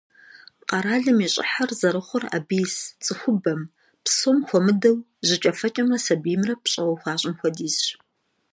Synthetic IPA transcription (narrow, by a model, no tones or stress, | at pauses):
qɑɾaːɮɨmiːɕʼɪ̰ħarzɐɾɨχʷʊra̰biːst͡sʼɨxʷʊbɐm | psomxʷɔmɨdɐw | ʑɪt͡ʃʼɐfɐt͡ʃʼɐmrɐsɐbimrɐpɕʼɐwɔxʷɑːɕʼɪmxʷɔdiːz